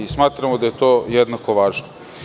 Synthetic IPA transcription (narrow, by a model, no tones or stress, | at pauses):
ismaːt̪ɾamod̪aje̞t̪oːjed̪nako̞ʋaːʒno